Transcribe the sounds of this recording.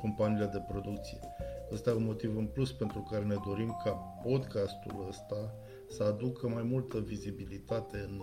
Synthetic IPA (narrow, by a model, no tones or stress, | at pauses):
ko̞mpaniːled̪e̞pɾo̞d̪ukt̪sije̞əst̪ajeunmo̞t̪ivɨnpluspe̞nt̪ɾukaɾe̞ne̞d̪o̞ɾimkʰapo̞d̪kast̪ṵləst̪a | səad̪ukʰəmajmult̪əvizibilit̪at̪e̞ɨn